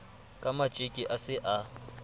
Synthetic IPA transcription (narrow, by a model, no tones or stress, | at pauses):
kʼamat͡ʃʼikʼiʔasɪʔa